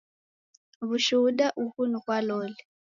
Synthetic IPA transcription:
βuʃuɗaʔuhunukwalɔlɛ

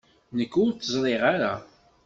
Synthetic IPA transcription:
nəkːʊɾt͡sːəzˤɾˤeʁaɾa̰

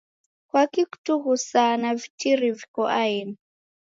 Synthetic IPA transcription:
kwakiku̥tuɣusanavitʰiɾivikɔʔaini

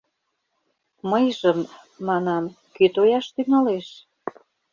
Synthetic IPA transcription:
məjʒəmː | ɑnɑm | kyt̪ojɑʃt̪yŋɑleʃ

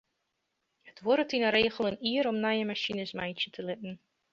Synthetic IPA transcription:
hətʋɔɾətinəɾeːχəlˠəniəɾɔmnajəmaʃinəsmɛjtətʰəlɪt̚n̩

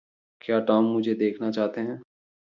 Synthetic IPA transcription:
kjaːʈaːmːʊd͡ʒʱed̪eːkʰnat͡ʃaːɦt̪eɦɛ̃ː

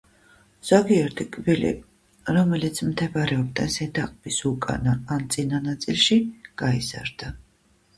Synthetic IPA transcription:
z̥aɡiɛɾt̪ʰikʼvilḭ | ɾɔmɛlit̪sʰmt̪ʰɛbaɾɛɔb̚d̪ɛnsɛd̪ʰaqʼb̥isukʼa̰naːnt̪sʼinanat̪sʼilˠʃiɡ̥aiz̥a̰ɾd̪̥a

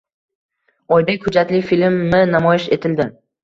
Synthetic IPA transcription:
ɒjd̪ahʊd͡ʒat̪lɪfilmːɪnamɒjɪʃe̞t̪ʰɪld̪ɪ

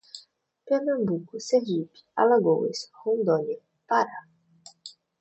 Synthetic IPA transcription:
peɾnɐ̃mbukʊsevipi̥alaɡowḛshõnd̪ɔlɐ | paɾa

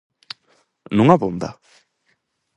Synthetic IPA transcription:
nuŋabond̪a̰

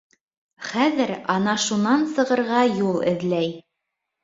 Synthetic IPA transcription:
χæðɘɾɑnɑʃunɑnsɤ̆ʁɤ̆ɾʁɑjulˠɘ̰̆ðlæj

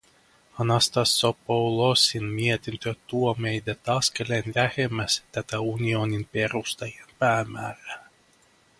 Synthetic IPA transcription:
anast̪asɔpɔwlˠɔsʲinmʲiɛt̪ʲinʲt̪ʲøt̪uɔmɛjd̪ʲɛt̪askalʲɛnʲɾʲæxʲɛmʲæst̪ʲæt̪aunʲiɔnʲinpʲɛɛɾust̪ajɛnpʲæːmʲæːɾæ

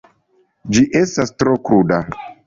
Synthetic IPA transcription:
d͡ʒiʔe̞stastɾo̞kɾuda

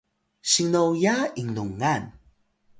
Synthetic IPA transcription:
ɕiŋnowjaiŋnuŋan

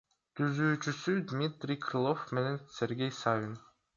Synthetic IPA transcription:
t̪ʰyzyːt͡ʃysyd̪mʲit̪rʲijkʰrɨlˠofme̞ne̞nsʲe̞ɾɡʲe̞jsavʲin

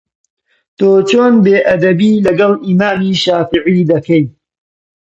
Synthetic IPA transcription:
t̪oːt͡ʃoːnbeːʔɐd̪ɐbiːlɐɡɐlˠʔiːmaːmiːʃaːfiʕiːd̪ɐkɐj

